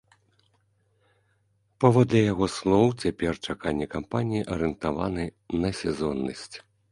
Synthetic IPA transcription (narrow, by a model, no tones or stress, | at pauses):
pavɔd̪lʲɛjaɣɔslˠɔwt͡sʲapʲɛrt͡ʂakanʲːɛkampanʲijiʔɐɾɨnt̪ava̰nɨ | nɐsʲɛzɔnːɐ̰sʲt͡sʲ